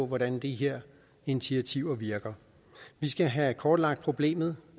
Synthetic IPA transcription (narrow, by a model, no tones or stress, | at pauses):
ɔ̽ʋɒɾænd̥iɦeɐ̰ | e̝nit͡sʰiæt͡sʰiʊɐʋiɐɡ̥ɐ | ʋisɡ̥æɦækʰɒːd̥lɑ̈ɡ̥d̥̚pʰʁo̝b̥le̝̰ːmð̞̩ˠ